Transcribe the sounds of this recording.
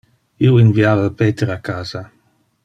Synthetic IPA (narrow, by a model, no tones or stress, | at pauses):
iwinviaːvalpeːt̪eɾakːaːza